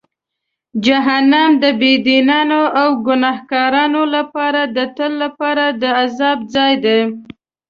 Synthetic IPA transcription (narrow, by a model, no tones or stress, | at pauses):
d͡ʒaɦanamd̪əbed̪inɑnoawɡʊnɑhkɑɾɑnolapɑɾad̪ət̪əlːapɑɾad̪əazɑb̚d͡zɑjd̪e